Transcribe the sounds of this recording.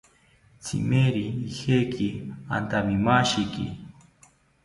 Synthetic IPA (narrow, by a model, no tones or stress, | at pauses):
t͡sʰḭmeɾiːhekʰia̰nt̪amimaʃikḭ